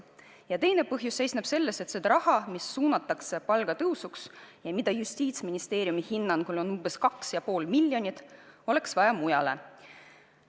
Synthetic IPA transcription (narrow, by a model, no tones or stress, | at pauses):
jɑt̪e̞jne̞pɤɦjusːe̞jsneb̥se̞lːe̞se̞t̪sed̪ɑɾɑhɑmisːuːnɑt̪ːˑɑkse̞pɑlɡ̥ɑt̪ɤwsuksjɑmid̪̥ɑjust̪iːt̪sminist̪e̞ːɾijumihinːɑnkulo̞numb̥eskɑksjɑpo̞ːlmilʲːjo̞nʲit̪ˑo̞le̞ksvɑjɑmujɑle̞̰